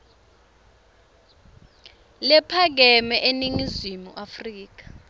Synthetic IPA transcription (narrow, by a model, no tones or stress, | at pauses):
lɛpʰaɡ̬ɛmɛʔeniŋizimuʔafriːk̬ḁ